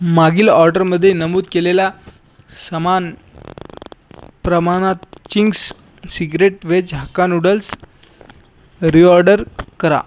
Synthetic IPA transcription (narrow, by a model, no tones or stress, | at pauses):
maɡiːlɔɾɖəɾməd̪ʱːjenəmuːd̪̚kelela | səman | pɾəmanat̪t͡ɕiŋɡs | siɡɾeʈʋed͡ʑɦakanuɽəls | ɾiɔɾɖəɾkəɾa̰